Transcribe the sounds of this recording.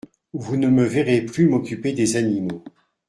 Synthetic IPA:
vunəməvɛʁeplymɔkʲyped̪ezanimo

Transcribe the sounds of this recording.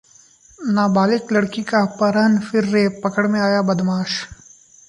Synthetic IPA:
naːbaːlɪklɐɽkikapɐɾənfɪɾːeːpːɐkəɽmẽaːjabɐd̪maːʃ

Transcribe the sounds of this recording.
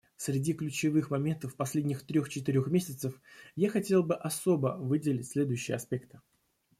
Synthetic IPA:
sʲɾʲɪdʲiklʲʉt͡ɕɪvɨxmɐmʲe̞nt̪əfːpɐsʲlʲedʲnʲɪxt̪ɾʲoxt͡ɕɪt̪ɪɾʲo̞xmʲesʲɪt̪səfjaxɐtʲe̞lˠbɨʔɐso̞bəvɨdʲɪlʲɪtʲsʲlʲe̞d̪ʊjʉɕːɪjə̰ɐspʲe̞kt̪ɨ̥

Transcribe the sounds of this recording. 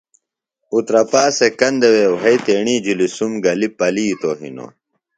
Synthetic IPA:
ut̪ɾɐpaːsekɐnd̪ewewɦɐjt̪eːɳiːd͡ʑulisumɡɐlipɐliːt̪oɦḭno̰

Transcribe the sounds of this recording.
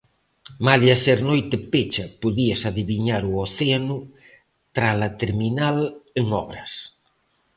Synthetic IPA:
malaseɾnojt̪epet͡ʃɐpoðiasaðiβiɲaɾuoθeanu | t̪ɾalat̪eɾminaleŋɔβɾɐs

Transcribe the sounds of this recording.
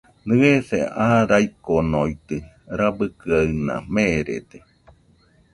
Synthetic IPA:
nɨeθḛaɾaikonoit̪ɨ | ɾabɨkɨaɨnã̰mẽɾḛt̪e

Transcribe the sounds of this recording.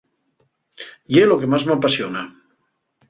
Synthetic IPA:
jelokemazmapasiona

